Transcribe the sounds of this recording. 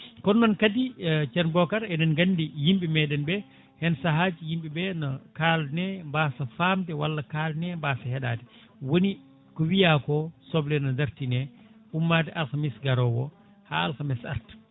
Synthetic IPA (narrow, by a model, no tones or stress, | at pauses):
kɔnːɔnkadit͡ʃɛnbɔkaɾɛnɛnɡandijimɓimɛɗɛnbɛ | hɛnsaɦad͡ʒijimɓibɛnɔkalnɛmbaːsafamtɛwalːakaːlnɛmbasahɛɗaːtɛ | woni | kɔwijakɔsɔblɛnɔndaɾtinɛ | umːatɛʔalxamisɡaɾɔwɔ | ha̰alxamɛsa̰ɾt